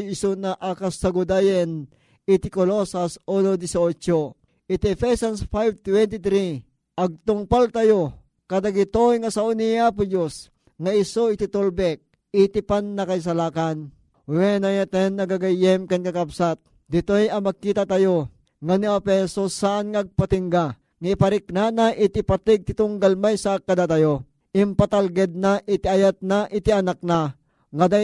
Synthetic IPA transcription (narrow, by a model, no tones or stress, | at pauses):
jɪsonaʔakasaɡʊd̪ajɛn | ɪt̪ɪkolosasonod̪ɪsot͡ʃo | ɪt̪iɛfɛsansfajb̚t̪wɛnt̪it̪ɾi | ʔɐɡ̚t̪ʊŋpalt̪ajo | kɐd̪aɡɪt̪ojŋɐsaʔonijapʊd͡ʒos | ŋaɪsoɪt̪it̪olbɛk̚ | ɪt̪ipanːɐkajs̬alaːkan | wɛnajat̪ɛnːɐɡaɡajɛmkankakapsat̪̚ | d̪ɪt̪ojɐmɐɡ̚kːiːt̪at̪ajo | ŋaniapɛsosaʔanŋaɡ̚pat̪iŋɡa | ŋaipaɾɪknanaʔɪt̪ɪpat̪ɪɡ̚t̪ɪt̪ʊŋɡalmajsakːad̪at̪ajo | ʔɪmpat̪alɡɛd̪̚naʔɪt̪iajat̪̚naʔɪt̪ianak̚na | ŋad̪a